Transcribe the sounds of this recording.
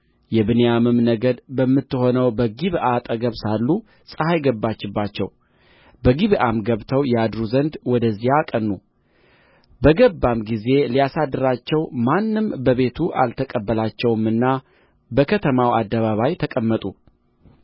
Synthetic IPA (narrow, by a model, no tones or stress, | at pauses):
jɛβɨnejamɨmnəɡəd̪bəmːɨt̪ːɨho̞nəwbəɡiβʔat̪ʼəɡəβsalːu | sʼəhajɡəbːat͡ʃːɪbːat͡ʃːɛ̰w | bəɡiβʔamɡəβt̪ʰəwjɛad̪ɾuzənd̪wɔd̪əzːijakʼənːu | bəɡəbːamɡize̞lijasad̪ːɨɾat͡ʃːɛwmanːɨmbəβe̞t̪ʰuʔa̰lt̪ʰəkʼəbːəlat͡ʃːɛwmɨnːa | bəkʰət̪ʰəmawad̪ːəβaβajt̪ʰəkʼəmːət̪ʼṵ